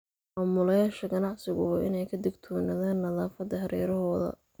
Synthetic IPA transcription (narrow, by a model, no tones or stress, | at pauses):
maːmʊlɐjaːʃɐɡɐnɑʕsɪɣʊwɑːʔɪnɛjkʰɐd̪ɪɡt̪ʰɔːnɐðaːnːɐðaːfɐd̪ɐɦɐɾʔɛ̰ːɾɐɦɔːðɐ̰